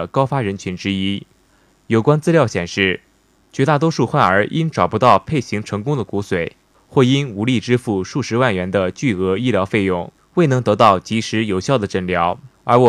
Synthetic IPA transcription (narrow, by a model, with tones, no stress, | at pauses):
kɑ˥ʊfa˥ɻə˧˥nt͡ɕʰy˧˥nʈ͡ʂɻ̩˥i˥ | jo˨˩ʊkwa˥nt͡sɹ̩˥ljɑ˥˩ʊɕjɛ˨˩nʂɻ̩˥˩ | t͡ɕɥɛ˧˥t̪a˥˩t̪wɔ˥ʂu˥˧xwa˥˩nə˞˧˥ʔi˥nʈ͡ʂɑ˨˩pu˧˥t̪ɑ˥˧ʊpʰe˥˩ɪɕi˧˥ŋʈ͡ʂʰɤ˧˥ŋkʊ˥ŋd̪ə˨ku˧˥swe˨˩˦ɪ | xwɔ˥˩i˥nu˧˥li˥˩ʈ͡ʂɻ̩˥fu˥˧ʂu˥˩ʂɻ̩˧˥wa˥˩nɥɛ˧˥nd̪ə˧t͡ɕy˥˩ɤ˧˥i˥ljɑ˧˥ʊfe˥˧ɪjʊ˥˩ŋ | we˥˩ɪnɤ˧˥ŋt̪ɤ˧˥t̪ɑ˥˩ʊt͡ɕi˧˥ʂɻ̩˧˥jo˨˩ʊɕjɑ˥˩ʊd̪ə˩ʈ͡ʂə˥˩ŋljɑ˧˥ʊə˞˧˥wɔ˨˩